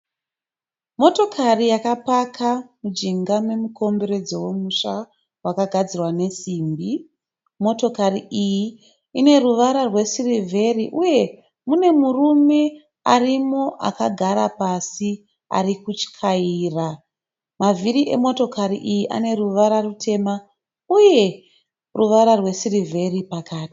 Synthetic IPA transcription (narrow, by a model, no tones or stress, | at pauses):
mo̞to̞kʰarijakapakʰamud͡ʒiŋɡame̞muko̞mbe̞ɾe̞d͡zo̞we̞muʃa | wakaɡʱad͡zirwane̞siːmbi | mo̞to̞kariʔiji | ine̞ruʋaɾarwe̞sirivʱe̞riʔuje̞ | mune̞murume̞ | arimo̞ʔa̰kaɡʱaɾapasi | a̰rikut͡ʃi̥kʰaiːra | maviɾiʔe̞̰mo̞to̞kaɾiʔijiʔa̰ne̞ruʋaɾarutʰe̞ma | uje̞ | ruʋaɾarwe̞sirivʱe̞ripakʰaːti̥